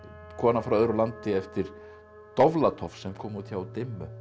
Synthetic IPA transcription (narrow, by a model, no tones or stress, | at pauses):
kʰɔːnafɾawœːɾʏlant̪ɪɛft̪ɪɾ̥ | t̪ɔvlat̪ʰɔfsɛmkʰɔːmuːt̪çawat̪ɪmːʏ